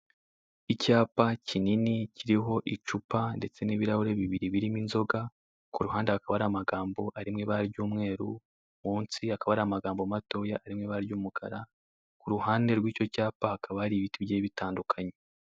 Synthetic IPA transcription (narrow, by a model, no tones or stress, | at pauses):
icaːpacininiciɾiɦo̞ʔit͡ʃupande̞t͡se̞niβiɾahoɾe̞βiβiɾiβiɾiminzo̞ɡa | kuɾuɦaːndehakaβaɾamaɡaːmbo̞ʔaɾimŋeβaɾɟuːmŋe̞ːɾu | muːnsiakaβaɾaamaɡaːmbo̞mato̞jaʔːɾimŋeβaɾɟuːmukʰa̰ɾa | kuɾuhaːnde̞ɾɡwiːco̞caːpahakʰaβaaɾiβitibɟeːβitaːndukʰaɲe̞